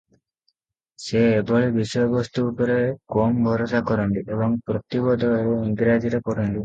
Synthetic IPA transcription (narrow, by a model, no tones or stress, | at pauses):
seːbʱɔɭibisjɔbɔst̪uːpɔɾekɔmbʱɔɾɔsakɔɾɔnd̪iebɔŋpɾɔt̪ibɔd̪ʱɔaɾuiŋɡɾad͡ʒiɾekɔɾɔnd̪i